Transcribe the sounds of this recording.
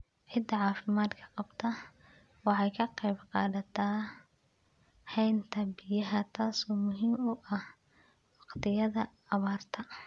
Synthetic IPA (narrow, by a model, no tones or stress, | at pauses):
ʕɪd̪ɐʕɑːfɪmaːd̪kʰɐ̥qɑb̥t̪ʰɐ | wɑħɑjkʰɐqɛjbqɑːðɐt̪ʰaː | hɛjnt̪ʰɐbɪjɐɦɐt̪ʰaːsɔːmʊɦiːmʊʔɐh | wɑqt̪ʰɪjɐðɐː | βaːrt̪ʰɐ